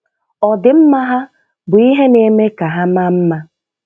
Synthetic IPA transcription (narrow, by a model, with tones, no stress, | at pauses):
ɔ˨dɪ˨m̩˦ma˦ɦa˦ | bʊ˨i˦ɦe˦ne˨me˦ka˨ɦa˦ma˦m̩˦ma˦